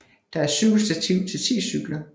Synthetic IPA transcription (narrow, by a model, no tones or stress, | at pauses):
d̥ɑ̈æɐsyɡ̥lsd̥æt͡sʰiʊ̰t͡sʰe̝lt͡sʰḭːsyɡ̥lɐ